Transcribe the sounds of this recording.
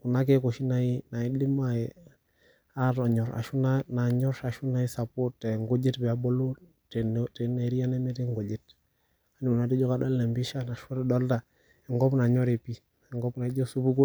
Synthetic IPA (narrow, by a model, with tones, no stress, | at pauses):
ku˨na˦k̬ɛ˦ko˨ʃi˦na˨i˦na˨i˦li˦ma˦ɛ˨ | a˦ɾa˨ɲɔ˨ɾa̰˨ʃu˦na˦na˨ɲɔ˦ʃa˨ʃu˦na˦i˦sa˨po˦tɛ˨ŋɡo˦d͡ʒe˦tbɛ˨a˨bɔ˦lo˦ | tntɛ˨na˨ɾi˦a˦nɛ˦nɛ˦tɛ˦ŋɡo˨d͡ʒe˦t | a˨ni˨mu˨na˨˦di˦d͡ʒɔ˦ka˦da˦lːɛ˨mbi˦ʃa˦na˨ʃu˦ɾɛ˦dɔ˦lta˨ | ɛ˨ŋɡɔ˦pna˨ɲɔ˦ɾe˨pi˦ | ɛ˨ŋɡɔ˦bna˨i˦d͡ʒɔ˦su˦bu˦ɡu˦